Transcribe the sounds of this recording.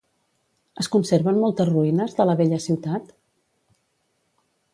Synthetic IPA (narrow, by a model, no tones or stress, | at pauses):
əskunseɾβənmɔlˠt̪əzruinəzðələβeʎəsiwt̪at̪